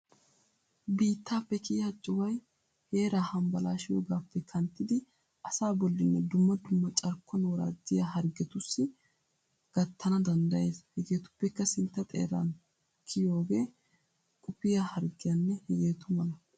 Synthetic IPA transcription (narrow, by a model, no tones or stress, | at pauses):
biːt̪ːaːpːɛkɪjat͡ʃʼːʊwɐj | he̞ːɾaːhɐmbɐlaːʃɪjo̰ːɡaːpːɛkʰɐnt̪ːɪd̪ɪ | ʔɐsaːbɔlːɪnːɛd̪ʊmːɐd̪ʊmːɐt͡ʃʼɐɾkːɔnwɔɾa̰ːd̪ɪjaɦɐɾɡɛt̪ʊsːɪ | ɡ̥ɐt̪ːɐnɐd̪ɐnd̪ɐje̞ːshɛɡeːt̪ʊ̥pːɛkːɐsɪnt̪ːɐt̪ʼḛːɾa̰n | kʰɪjo̞ːɡe̞ː | kʼʊpɪjahɐɾɡɪjanːɛhɛɡe̞ːt̪ʊmɐnɐ